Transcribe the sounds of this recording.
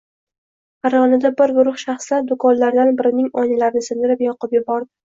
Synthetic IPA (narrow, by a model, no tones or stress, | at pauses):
aɾɒnɪd̪abɪɾɡʊɾʊχʃaχslaɾd̪ʊkʰɒnlaɾd̪anbɪɾɪnɪŋɒnɪlaɾnɪsɪnd̪ɪɾɪpjɒqɨpjʊbɒɾd̪ɪ